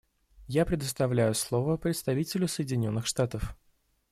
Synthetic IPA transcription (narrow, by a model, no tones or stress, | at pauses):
japɾʲɪd̪əst̪ɐvlʲæjʊslˠovəpɾʲɪt̪st̪ɐvʲitʲɪlʲʊsəjɪdʲɪnʲo̞nːɨxʂt̪at̪əf